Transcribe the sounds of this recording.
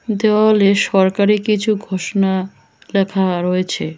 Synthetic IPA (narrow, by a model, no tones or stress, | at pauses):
d̪ewaɦoleʃɔɾkaɾikit͡ɕʰuɡʱoʃona | lɛkʰaɾoet͡ɕʰe